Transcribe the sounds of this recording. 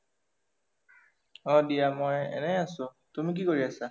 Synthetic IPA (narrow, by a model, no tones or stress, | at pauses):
ɔdijamojɛ̰nɛasʊ | tumik̬ikoɹiasa